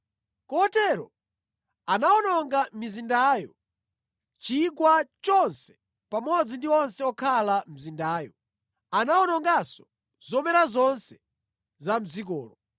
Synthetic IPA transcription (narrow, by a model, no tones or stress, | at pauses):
kɔtɛɾɔ | anaɔnɔŋɡamizindaːjɔ | t͡ʃikwat͡ʃɔnsɛ̥ | pamɔd͡zindiɔnsɛɔkʰalam̩zindaːjɔ | anawɔnɔŋɡasɔ̥ | z̥ɔmɛɾazɔnsɛ̥ | zam̩zikɔːlɔ